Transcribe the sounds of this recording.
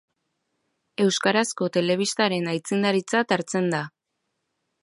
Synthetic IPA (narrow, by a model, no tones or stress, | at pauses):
e̞wskaɾasko̞t̪e̞le̞β̞ist̪aɾe̞najt͡sind̪aɾit͡sat̪aɾt͡se̞nd̪a